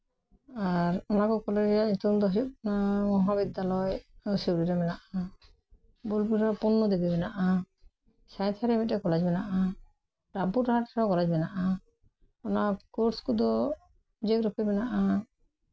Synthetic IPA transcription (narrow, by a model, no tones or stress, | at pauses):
aɾɔnakɔkɔleɾijaɲit̪umd̪ɔɦɔjup̚namɔɦabid̪ːalɔjsiɾiɾamɛnaʔa | bulpuɾapɔnːɔd̪ibɛbɛnaʔa | sajt̪ʰaɾɛmitɛkɔlad͡ʒbɛnaʔa | ɾabuɾɾɦaɾsɔkɔlad͡ʒbɛnaʔa | ɔnakoɾskud̪ɔ | d͡ʒeɡɾɔpɛbɛnaʔa